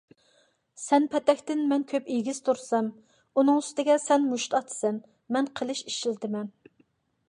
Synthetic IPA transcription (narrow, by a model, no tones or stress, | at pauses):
sɛnpʰɛt̪ɛkʲt̪ɪnmɛnkʲʰøpiɡʲiz̥t̪ʰuɾsɑm | unɨŋyst̪ɪɡʲɛsɛnmuʃt̪ʰɑt̪ʰɨ̥sɛn | mɛnqʰəlˠɪʃiʃilt̪ɪmɛn